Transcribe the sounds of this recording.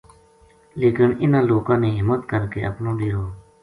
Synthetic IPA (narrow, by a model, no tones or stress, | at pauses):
leːkənɪnãːloːkãːneːɦɪmət̪kəɾkeːə̰pnõːɖiːɾoː